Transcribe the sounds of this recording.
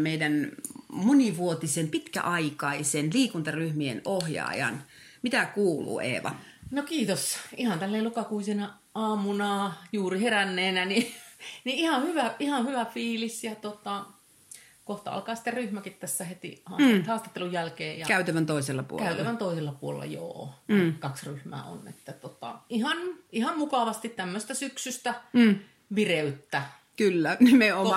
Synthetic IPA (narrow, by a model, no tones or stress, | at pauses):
meidænmoniʋuot̪isempit̪kæ̰ʔɑikɑisenliːkunt̪ɑryhmiḛnohjɑ̰ːjɑ̰n | mit̪ækuːlṵːʔḛːʋɑ̰ | nokiːt̪osihɑnt̪ælːeːlukɑkuisenɑ | ɑːmunɑːjuːriherænːeːnæniniihɑhyʋæihɑhyʋæfiːlisjɑt̪ot̪ɑ | koht̪ɑ̰ɑ̰lkɑːsi̥t̪ːerryhmækit̪t̪æsːæhet̪ḭhɑːhɑːst̪ɑt̪ːelujælkeːjjɑ̰kæˑyt̪æʋænt̪oˑiselːɑpṵkæ̰ytlːæʋænt̪oˑiselːɑpuo̰lḛlːɑ̰jo̰ːnikɑksryhmæ̰ːo̰nḛt̪ːæt̪ot̪ɑ̰ihɑnihɑmmukɑʋɑst̪it̪t̪æmːøst̪æsyksyst̪æ | ʋireyt̪ːæ | kylːænemeom